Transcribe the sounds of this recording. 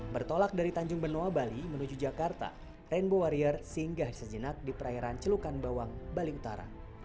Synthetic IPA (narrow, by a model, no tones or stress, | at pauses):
bərt̪olak̚daɾit̪aɲd͡ʒʊŋbənoabalimənud͡ʒud͡ʒakart̪a̰ | rɛnbowaɾiərsəiŋɡahsəd͡ʒənak̚dipəɾajaɾant͡ʃəlukanbawaŋbaliut̪aɾa̰